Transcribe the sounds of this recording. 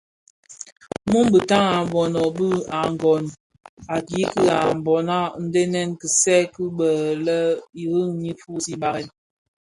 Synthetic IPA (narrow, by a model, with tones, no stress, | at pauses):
mu˦mbə˨ta˦ŋa˨m˨bɔ˨nɔ˨bə˦a˨ŋ˨ɡɔ˨n | a˨ɡi˦kə˦a˨m˨bɔ˨na˦n̩˦de˦nɛ˦nkə˨sɛ˦kɨ˦ɓə˨lə˦i˨ɣi˦ŋɲi˦fu˦˨si˦ɓa˦ɣɛ˦˨n